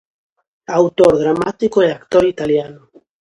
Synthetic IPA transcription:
awt̪oɾðɾamat̪ikoeakt̪oɾit̪aljano

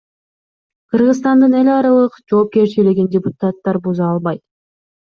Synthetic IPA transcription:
qʰɯɾʁɯzt̪ɑnd̪ɯne̞lʲɑɾɑlˠɯqd͡ʒo̞ːp̚ke̞ɾt͡ʃiliɡindʲɪput̪at̪ːɑɾbuzɑɑlˠβɑjt̪

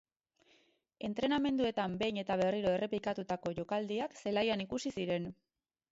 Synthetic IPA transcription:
e̞nt̪ɾe̞name̞nd̪ue̞t̪ambe̞jɲe̞t̪aβ̞e̞riɾo̞e̞re̞plikat̪ut̪ako̞ʝo̞kald̪iakse̞lajanikusisiɾe̞n

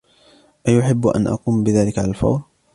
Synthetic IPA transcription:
ʔajʊħɪbːʔa̰nʔɑ̰quːmbɪðaːlɪkʕalalfɑ̰wɾ

